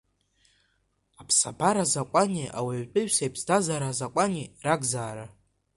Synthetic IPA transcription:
apʰsa̰bʰaɾazakʷʼaniʔa̰waɥt͡pʼɨɥᶣsejpʰsdazaɾazakʷʼaniraɡzaːɾa

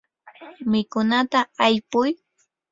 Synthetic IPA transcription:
mɪkʊnat̪aajpʊj

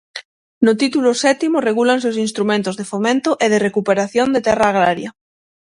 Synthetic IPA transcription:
not̪it̪ulosɛt̪imore̞ɣulansewsinst̪ɾumẽnt̪ozðefomẽnt̪oʔeð̞ere̞kupeɾaθjo̞nd̪et̪eraːɣ̞ɾaɾja

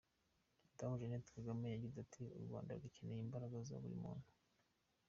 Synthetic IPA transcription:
tamuʒenetkaɡamejaɟizatʰiṵɾɡwa̰ːnda̰ɾɡacenejimbaɾaɡaza̰βuɾḭmṵːn̥hu

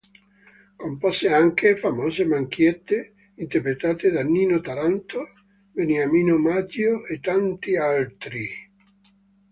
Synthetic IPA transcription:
kompɔseaŋkefamɔːzemaŋk̟jɛt̪ːe | int̪eɾpɾet̪aːt̪ed̪anːiːnot̪aɾant̪o | beneamiːnomat̪joet̪ːant̪ialt̪ɾi

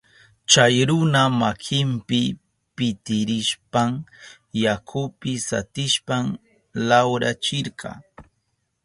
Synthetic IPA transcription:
t͡ʃajɾʊnamakʰɪmpɪ | pɪt̪ɪɾɪʃpaŋ | jakʰʊpɪsa̰t̪ɪʃpaŋ | lawɾat͡ʃɪɾɢɑ̰ː

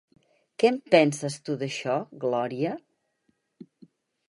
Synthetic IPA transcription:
kɛmpɛnsəst̪uðəʃɔɣlɔɾiə

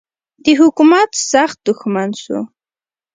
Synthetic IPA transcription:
t̪ɪxʊkʊmat͡ssɑχt̪ʊxmansʊ̰

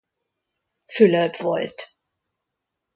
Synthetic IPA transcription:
fylœpv̥ɔ̰lt

